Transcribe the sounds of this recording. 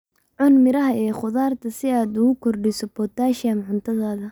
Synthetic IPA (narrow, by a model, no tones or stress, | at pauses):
ʕʊnmɪɾɐɦɐɛːχʊðaːrt̪ʰɐsɪaːd̪ʊɣʊkʰɔrɖɪsɔbɔt̪ʰaːʃɐmʕʊnt̪ʰɐðaːðɐ